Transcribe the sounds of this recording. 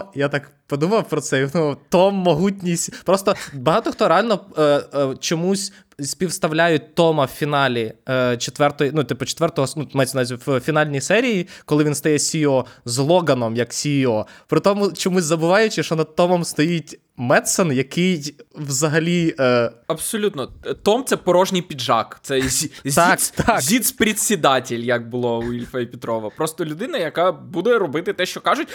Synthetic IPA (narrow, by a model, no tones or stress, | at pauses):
jat̪ɑk | pɔd̪umɐwpɾɔt̪sɛjid̪umɐwt̪ɔmːɔɦutʲnʲisʲtʲpɾɔst̪ɔbɐɦɑt̪ɔxt̪ɔɾeɑlʲnɔ | t͡ʃɔmusʲ | sʲpʲiwst̪ɐwlʲajʊt̚ʲt̪ɔmɐwfʲinɑlʲit͡ʃet̪ʋɛrt̪ɔjinut̪ɪpɔt͡ʃe̥t̪ʋɛrt̪ɔɦɔsnumɛsʲnzʲwfʲinɑlʲnʲijsɛɾʲijikɔlˠɪʋʲinst̪ɐjɛsʲiɔzlˠɔɡɐnɔmjɐksʲiɔpɾɪt̪ɔmʊt͡ʃɔmuzʲzɐbʊʋɑjʊt͡ʃɪʃɔnɐd̪̚t̪ɔmɔmst̪ɔjitʲ | mɛt̪sɛnjɐkɪjwzɐɦɐlʲi | ɐbsɔlʲut̪nɔt̪ɔmt̪sɛpɔɾɔʒnʲijpʲidʒɑ̰kt̪sɛzʲt̪k̪t̪azʲit̪spɾʲit̪ʲsʲid̪ɑtʲɪlʲjɐk̚bʊlˠɔʊilʲfɐipʲɪt̪ɾɔʋɐpɾɔst̪ɔlʲʊd̪ɪnɐjɐkabud̪ɛɾɔbɪt̪ɪt̪ɛʃt͡ʃɔkɑʒʊtʲ